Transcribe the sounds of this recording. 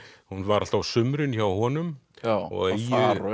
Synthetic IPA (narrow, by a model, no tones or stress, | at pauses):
hunvaɾal̥t̪awsʏmɾʏnçaːwhɔːnʏmɔ̰ɣejɪɾʏ